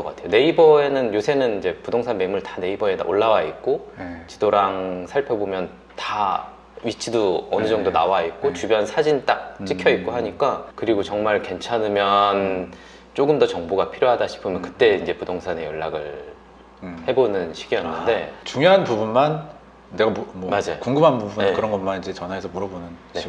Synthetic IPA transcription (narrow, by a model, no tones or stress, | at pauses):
ʌk͈a̰tʰe̞jone̞ibʌe̞nɯnjosʰe̞nɯnind͡ʑe̞pudoŋsʰanme̞muɭtane̞ibʌe̞da̰ʔoɭːawait̚k͈ot͡ɕi̥doɾaŋsʰaɭpʰjʌbomjʌn | ta | ɥit͡ɕʰidoʌnɯd͡ʑʌŋdona̰wait̚k͈ot͡ɕubjʌnsʰad͡ʑint͈ak̚t͡ɕ͈ikʰjʌit̚k͈oɦaɲik͈akɯɾiɡot͡ɕʌŋmaɭke̞nt͡ɕʰanɯmjʌn | t͡ɕ͈oɡɯmdʌt͡ɕʌŋboɡapʰiɾjoɦadaɕʰi̥pʰɯmjʌnkɯ̥t͈e̞ind͡ʑe̞pudoŋsʰanejʌɭːaɡɯɭ | he̞bonɯnɕʰiɡijʌnːɯnde̞t͡ɕuŋjʌɦanpubunman | ne̞ɡamʌmad͡ʑajokuŋɡɯmanbubunekɯɾʌnɡʌnmanid͡ʑe̞t͡ɕʌnɦaɦesʰʌmuɾʌbonɯnne̞